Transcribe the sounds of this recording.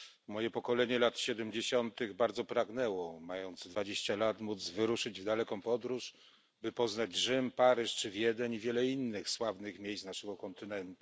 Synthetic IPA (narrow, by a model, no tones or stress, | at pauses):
mɔjɛpɔkɔlɛɲɛlat̪ɕɛd̪ɛmd͡ʑeɕɔnt̪ɘɣbaɾd̪zɔpɾaɡnɛwɔmajɔnd̪zd̪vad͡ʑeɕt͡ɕalat̪mud̪zvɘɾuʂɘd͡ʑvd̪alɛkɔ̃w̃pɔd̪ɾuʂ | bɘpɔznad͡ʑʐɘmpaɾɘʂt͡ʂɘvʲjɛd̪ɛɲivʲjɛlɛinːɘxswavnɘxmʲjejst̪naʂɛɡɔkɔnt̪ɘnɛnt̪u̥